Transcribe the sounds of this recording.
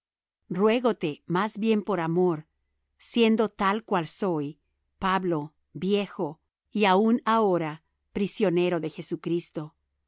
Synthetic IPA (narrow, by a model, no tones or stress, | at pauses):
rwe̞ɣo̞t̪e̞mazbje̞mpo̞ɾamo̞ɾ | sje̞nd̪o̞t̪alkwalso̞j | paβlo̞ | bje̞xo̞ | iaunao̞ɾa | pɾisjo̞ne̞ɾo̞ðe̞xe̞sukɾist̪o̞